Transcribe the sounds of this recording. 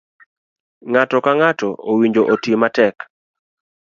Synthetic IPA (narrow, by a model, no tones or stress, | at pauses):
ŋatɔkaŋatɔowiɲd͡ʒoʔotimatɛk